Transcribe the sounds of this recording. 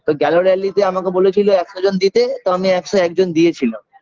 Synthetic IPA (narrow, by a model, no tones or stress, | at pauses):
t̪oɡɛloɾialːit̪eamakebolet͡ɕʰiloɛkʃod͡ʑond̪it̪et̪oamiɛkʃoɛk̚d͡ʑond̪iet͡ɕʰilam